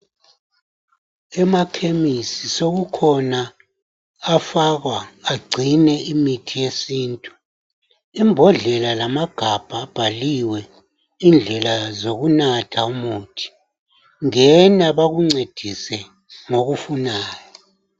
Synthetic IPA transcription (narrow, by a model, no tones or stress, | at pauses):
ɛmakʰemisisoɣukʰɔnaː | faɣwaːɡ͡ǀʱinɛʔimitʰijesiːntʼu | imbʱɔɮɛlalamaɡ̥ʱab̥ʱaːb̥ʱaliwɛ | ind͡ɮʱɛlazoɣunatʰaumuːtʰi̥ | ŋɛnaβaɣuŋ͡ǀed̥ʱisɛ | ŋoɣufunaːjɔ